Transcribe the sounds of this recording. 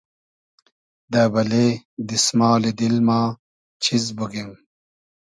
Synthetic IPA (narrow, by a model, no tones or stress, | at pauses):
d̪ɐbɐleːd̪ismaːled̪ilmaː | t͡ɕʰizbuɡem